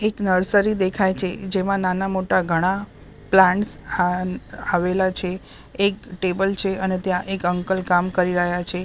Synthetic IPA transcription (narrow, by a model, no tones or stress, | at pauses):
eknəɾsəɾid̪ekʰajt͡ʃʰed͡ʒemãnanamoʈaɡʱəɽ̃a | plãɳʈsaaʋelat͡ʃʰeː | kʈebəlt͡ʃʰeənet̪jãʔekəŋkəlkamkəɾiɾəɦjat͡ʃʰe